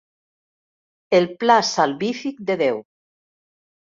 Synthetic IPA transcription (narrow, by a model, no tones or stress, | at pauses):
elplasalβifik̚d̪eðew